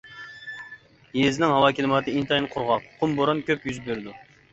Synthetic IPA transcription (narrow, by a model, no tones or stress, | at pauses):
jezɪnɪŋɦɑwɑːkʲʰelɪmɑt̪ɨint̪ɑjinqʰʊɾʁɑqqʰʊmboɾɑnkʲʰøpjyzbøɾd̪u